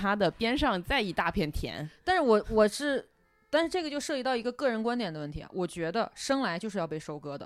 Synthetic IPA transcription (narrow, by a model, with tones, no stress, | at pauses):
a˥d̪ə˨pjɛ˥nʂɑ˥˧ŋt͡sa˥˧ɪi˨˩t̪a˥˧pʰjɛ˥˩nt̪ʰjɛ̰˧˥nt̪a˥˧nʂɻ̩˥˩wɔ˨˩wɔ˨˩ʂɻ̩˥˧˩ | t̪a˥˧nʂɻ̩˥˧ʈ͡ʂɤ˥˩ɡə˩t͡ɕjo˥˧ʊʂɤ˥˩t͡ɕi˥t̪ɑ˥˩ʊi˧˥ɡə˧kɤ˥˩ɻə˧˥nkwa˥nt̪jɛ˨˩nd̪ə˦wə˥˩nt̪ʰḭ˧˥a̰˧wɔ˨˩t͡ɕɥɛ˧˥d̪ə̰˧ʂɤ˥ŋla˧˥ɪt͡ɕjo˥˧ʂɻ̩˥˧jɑ˥˧ʊpe˥˩ɪʂo˥ʊkɤ˥d̪ə̰˨˩